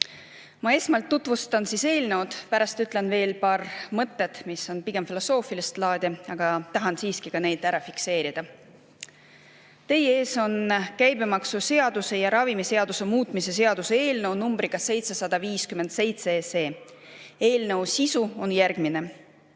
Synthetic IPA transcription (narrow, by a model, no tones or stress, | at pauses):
mɑe̞smɑlt̪ːut̪vust̪ɑnsise̞ːlnewd̪̥pæɾɑst̪yt̪le̞nve̞ːlpɑːrmɤt̪ːet̪miso̞npiɡ̥e̞mfilo̞so̞ːfilist̪lɑːd̪̥ʲɑɑɡ̥ɑt̪ɑɦɑnsiːskikɑne̞jd̪̥æɾɑfikse̞ːɾid̪̥ɑ | t̪e̞jee̞ːso̞nkæjbe̞mɑksuse̞ɑd̪̥use̞jɑɾɑvimise̞ɑd̪use̞muːt̪ˑmise̞se̞ɑd̪̥usee̞ːlnewnumbɾikɑse̞jt̪se̞sɑd̪̥ɑviːskymend̪̥se̞jt̪sese̞ː | e̞ːlnə̞wsisuo̞njærɡ̥mine̞